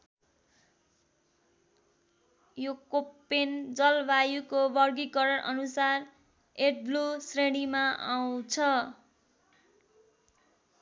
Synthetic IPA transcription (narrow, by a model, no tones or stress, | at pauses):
jokopːend͡zʌlbajukobʌrɡikʌɾʌɽʔʌ̰nusar | eʈ̚blusreɽ̃imaaw̃t͡sʰʌ